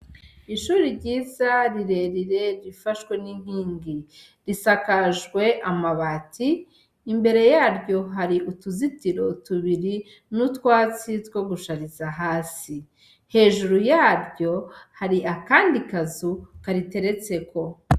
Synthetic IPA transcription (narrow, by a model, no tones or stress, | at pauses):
iʃuːɾiɾɟiːzaɾiɾe̞ɾiɾe̞ɾifaʃkwe̞niŋ̥hiːŋɡi | ɾisakaʒɡwe̞ʔamaβatʰiː | mbe̞ɾe̞jaːɾɟo̞ɦaɾiʔutuzitiɾo̞tuβiɾi | nutwaːt͡sitwo̞ɡuʃaɾizaɦaːsi | he̞ːʒuɾujaːɾɟo̞haɾiakaːndikazukaɾite̞ɾe̞t͡se̞ko̞